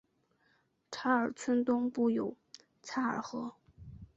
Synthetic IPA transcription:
ʈ͡ʂʰa˧˥ə˞˨˩t͡sʰwə˥nt̪ʊ˥ŋpu˥˩jo˨˩ʊ | t͡sʰa˥˩ə̰˞˨˩xɤ˧˥

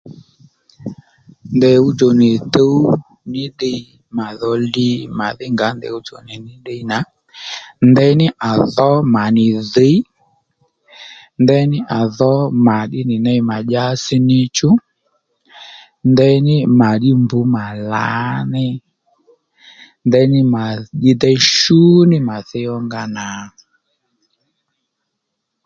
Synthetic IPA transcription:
ndɛ˨u˧t͡ʃo˨nɪ˨tə˦w | nɪ˦ɗe˧˦ | ma˨ðɔ˧li˧˦ma˨ðɪ˦ŋɡa˨˦ndɛ̰˨u˦t͡ʃo̰˨nɪ˨nɪ˦ɗe˧i˦na˨˦ | ndɛ˧˦nɪ˦ʔa˨ðɔ˦ma˨nɪ˨ðe˧˦ | ndɛ˧˦nɪ˦ʔa˨ðɔ˨˦ma˨ɗɪ˦nɪ˨nɛ˧i˦ma˨ʄa˦si˦nɪ˧t͡ʃu˦ | ndɛ˧˦nɪ˦ma˨ɗi˦mbu˨˦ma˨la̰˨˦nɛ˦ | ndɛ˧˦nɪ˦ma˨ɗi˦dɛ˦i˦ʃu˦nɪ˦ma˨θɛ˧˦jɔ˦ŋɡa˧na˨

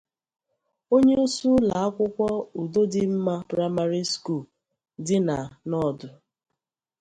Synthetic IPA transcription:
o˦ɲe˦u˦su˦la˨a˦kʷʊ˦kʷɔ˦u˨do˦dɪ˦m̩˦ma˦pɾa˦ma˦ɾi˦sku˦˨l | dɪ˦na˨nɔ˦˨dʊ˨

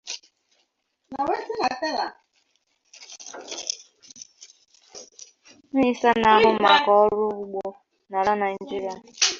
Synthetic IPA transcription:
na˨we˦sɪ˦na˨te˦la˨ | n̩˦i˦sa˦na˨a˦˨ɦʊ˦ma˨kɔ˦ɔ˦ɾʊ˦ɡ͡bɔ˦ | na˨ɾa˦na˨˦d͡ʒi˦ɾa˨

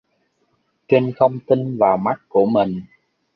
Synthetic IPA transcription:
t͡ɕe˧nxə˧wŋ͡mt̪i˧nvaː˨˩wma˦˥t̚ku˧˩əmi˨˩ŋ̟

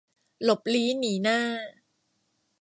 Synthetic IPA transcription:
lo˨˩p̚liː˦˥niː˩˦naː˥˩

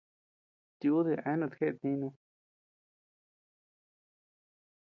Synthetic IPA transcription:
t̪i˧u˦ði˧a˧˦nũ˧t̪kʰe˦ʔt̪nĩ˧˦˧nũ˧

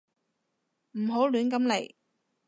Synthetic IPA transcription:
m̩˨˩ɦo˨˥wlyː˨˥nkɐ˨˥mle˨˩j

